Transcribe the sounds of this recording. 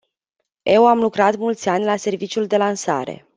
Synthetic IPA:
e̞wamlukɾat̪mult̪sʲanʲlase̞rvit͡ʃiuld̪e̞lansa̰ɾe̞̰

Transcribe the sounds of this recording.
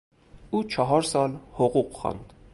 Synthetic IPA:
ut͡ʃʰɑɦɑɾsɑlhɔʁuqχɑ̰nd̪

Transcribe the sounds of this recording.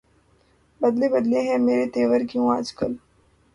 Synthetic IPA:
bɐd̪lebɐd̪leɦɛ̃meːɾet̪eːʋəɾkjũaːd͡ʒkəl

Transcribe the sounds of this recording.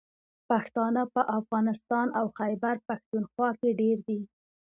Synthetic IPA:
paxt̪ɑnəpəʔafɣɑnɪst̪ɑnawxajbaɾpaxt̪unxwɑkeɖeɾd̪i

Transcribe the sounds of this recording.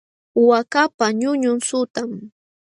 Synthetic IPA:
ʊwakapaɲʊɲʊnsʊt̪am

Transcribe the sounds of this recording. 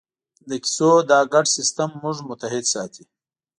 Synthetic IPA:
d̪əki̥sod̪ɑːɡaɖsɪst̪amːʊʐmʊt̪aɦɪd̪sɑːt̪ʰi

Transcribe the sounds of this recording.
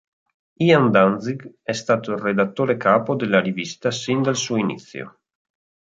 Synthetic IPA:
iand̪anziɡ | ɛst̪aːt̪ored̪at̪ːoːɾekaːpod̪elaɾivist̪asind̪alsuinḭt̪sjo̰

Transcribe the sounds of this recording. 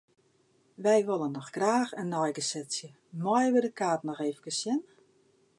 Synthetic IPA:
ʋɛjʋolˠənːɔxɡ̥raːxənːɔjɡəsɛtsjə | mɔjʋədəkaːtnɔxeːvəkəsjɪn

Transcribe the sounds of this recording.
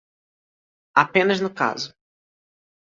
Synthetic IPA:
apẽnɐznʊka̰zʊ

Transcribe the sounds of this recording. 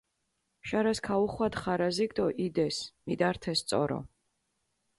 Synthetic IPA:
ʃaɾaskʰauχwad̪χaɾaziɡd̪ɔʔid̪ɛsmid̪aɾt̪ʰɛst̪sʼɔ̰ɾɔ̰

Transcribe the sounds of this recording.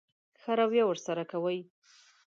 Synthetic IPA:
xaɾawjawəɾsaɾakawəj

